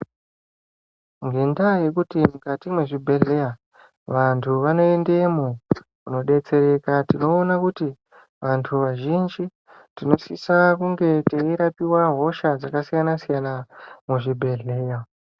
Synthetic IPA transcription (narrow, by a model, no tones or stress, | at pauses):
ŋɡe̞ndaje̞kutimukatimweʐibʱe̞ɮeja | ʋantʰuʋano̞ende̞mokuno̞ɗe̞t͡se̞ɾe̞katino̞ːnakuti | ʋantʰuʋaʒind͡ʒi | tino̞sisakuŋɡe̞teiɾapiwaɦo̞ʃad͡zakasijanasijanamuʐibʱe̞ɮe̞ja